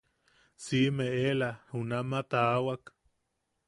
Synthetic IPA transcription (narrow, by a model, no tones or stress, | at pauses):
simeʔelahunamat̪aːwak